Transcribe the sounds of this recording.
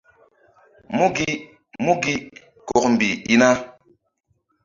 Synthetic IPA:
mu˦ɡi˦ | mu˦ɡi˦ | ko˨k̚m˨bi˨i˦na˦

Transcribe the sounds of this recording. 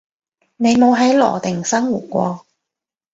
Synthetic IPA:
ne˨˧jmo˨˧wɦɐ˨˥jlɔ̰ː˨˩t̪ɪ˨˩ŋsɐ˥ŋwuː˨˩t̚kʷɔː˧

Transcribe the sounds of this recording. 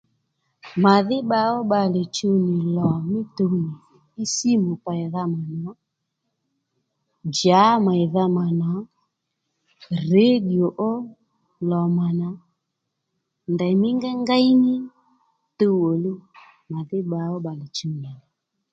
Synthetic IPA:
ma˨ðɪ˦ɓa˧ɔ˦ɓa˧˨le˨t͡ʃu˧nɪ˨lɔ˨mɪ˦tu˧ni˨ | i˦si˦mo˨pa˨i˨ða˧ma˨nɔ˨˦ | d͡ʒa˨˦ma˨i˨ða˧ma˨nɔ˨˦ | re˦ɗi˨o˨ʔo˦ | lɔ˨ma˨na˨˦ | nda˨mɪ˦ŋɡɛ˦ŋɡa˦i˦nɪ˦ | to˧wo˨lu˦ | ma˨ðɪ˦ɓa˨ɔ˦ɓa˨li˨t͡ʃu˧˦ni˨lɔ˨

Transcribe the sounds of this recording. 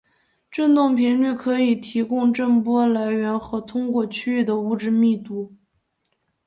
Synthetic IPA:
ʈ͡ʂə˥˧nt̪ʊ˥˩ŋpʰi˧˥nly˥˩kʰɤ˧˥i˨˩t̪ʰi˧˥kʊ˥ŋʈ͡ʂə˥˩npwɔ˥la˧˥ɪɥɛ˧˥nxɤ˧˥t̪ʰʊ˥ŋkwɔ˥˩t͡ɕʰy˥y˥˩d̪ə˩u˧˥˩ʈ͡ʂɻ̩˥˧mi˥˩˧t̪u˧˥

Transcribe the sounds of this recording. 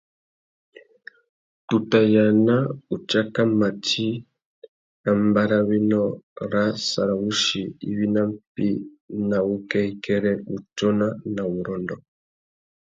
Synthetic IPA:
tu˨ta˨ja˨na˦u˨t͡ʃa˦ka˦ma˨tʰi˦ | na˨mba˦ɾa˦βi˦nɔ˦ɾa˦sa̰˨ɾa˨βu˦ʃi˨ḭ˦βi˦na˦mpi˦ | na˨βu˦kɛ˦i˦kɛ˦ɾɛ˦βu˨tɔ˦na˦na˨βu˨ɾɔ˨ndɔ˨

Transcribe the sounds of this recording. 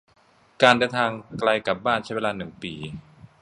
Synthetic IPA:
kaː˧ndaː˧t̪ʰaː˧ŋkla˧jka˨˩p̚baː˥˩nt͡ɕʰa˥jwe˧lːaː˧nɯ˨˩ŋpiː˨˩

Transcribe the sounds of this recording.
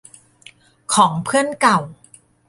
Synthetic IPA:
kʰɔː˩˦ŋpʰɯ˥˩ənka˨˩w

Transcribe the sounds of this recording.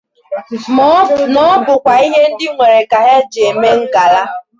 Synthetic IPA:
mɔ˦˨nɔ˦bʊ˨kʷa˨i˦ɦe˦n̩˦dɪ˦ŋʷe˨ɾe˨ka˨ɦe˦d͡ʒe˨me˦ŋ̩˦ɡa˨la˦

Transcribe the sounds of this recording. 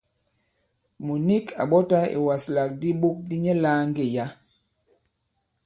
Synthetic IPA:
mu˨ni˦kʰa̰˨ɓɔ˦ta˦ḛ˨wa˨sla˨k̚di˦ɓo˦k̚di˦ɲɛ˦laː˦ŋ˦ɡe˦˨ja˦

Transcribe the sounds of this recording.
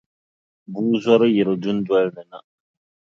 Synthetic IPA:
buː˦zɔ˦ɾɨ˦jɛ˨ɾɨ˨dʊ˦n̩˦dɔ˦lnɨ˨na˨

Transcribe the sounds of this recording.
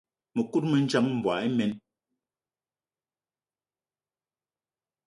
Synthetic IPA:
me˨ku˦t̚me˨n̩˦t͡ʃa˦mm̩˨bwa̰˨e˦mɛ˦n

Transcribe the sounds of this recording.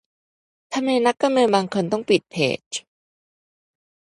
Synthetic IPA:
t̪ʰa˧mːa˧jna˦˥kːa˧mnɤː˧nbaː˧ŋkʰo˧nt̪ɔ˥˩ŋpi˨˩t̪̚p̪ʰḛː˨˩t͡ɕ

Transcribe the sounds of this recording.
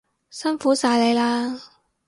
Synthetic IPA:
sɐ˥nfuː˨˥saː˧jle˨˧jlaː˥

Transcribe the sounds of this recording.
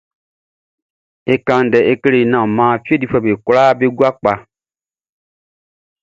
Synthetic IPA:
e˦kã˨˦n˨dɛ˨ʔe˦ke˦le˨nã˨mãː˨˦˨fi˦e˦di˦˨fɛ˨be˨klaː˦be˦ɡu˦a˦k͡pa˨

